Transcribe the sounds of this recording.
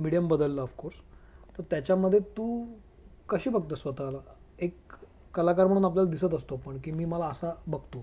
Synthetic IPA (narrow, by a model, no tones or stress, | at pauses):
miɽijəmbəd̪əlːəːfkoɾst̪əɾt̪jat͡ɕjaməd̪ʱːjet̪uː | kəɕiːbəɡ̚t̪əsʋət̪alaekː | əlakaɾm̤əɽ̃uːnap̬ljalad̪isət̪əst̪opəɳkiːmiːməlaəsabəɡt̪o